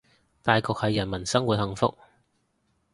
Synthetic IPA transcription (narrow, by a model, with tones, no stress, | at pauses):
t̪aː˨jkɔː˨k̚hɐ˨jːɐ˨˩nmɐ˨˩nsɐ˥ŋwuː˨t̚hɐ˨˧ŋfʊ̰˥k̚